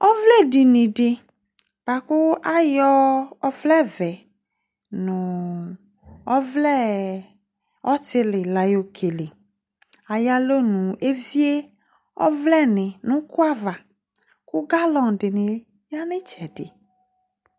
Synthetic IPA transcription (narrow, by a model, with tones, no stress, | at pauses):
ɔ˦vlɛ˦˨di˨nĩ˨ɖɪ˨ | b̥a˨kʊ˦a˦jɔ˦ɔ˦vlɛ˦vɛ˨ | nũ˨ | ɔ˦vlɛ˦ | ɔ˦tɪ˦lɪ˨la˨jo˨kʰe˨lɪ˨ | a˨ja˦lo˦nũ˨e˦vi˦e˦ | ɔ̰˦vlɛ˦˨nɪ̃˨nũ˦ku˦a˦va˨ | ku˦ɡa˦lɔ˨ŋ˨ɖɪ˨nɪ̃˨ | ja˦nɪ̃˦t͡ʃɛ˨dɪ̰˨